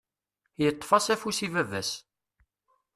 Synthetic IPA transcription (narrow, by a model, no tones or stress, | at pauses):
jət̪ˤːfɑsæfusivævæs